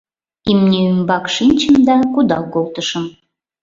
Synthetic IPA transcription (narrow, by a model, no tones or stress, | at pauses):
imnʲeymbɑkʃinʲt͡ɕəmd̪ɑkud̪ɑkolˠt̪əʃəm